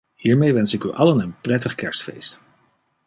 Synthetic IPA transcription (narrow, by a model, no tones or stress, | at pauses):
hiːɹmejʋɛnsɪkyʔɑlənənprɛtəχkɛɹstfḛjst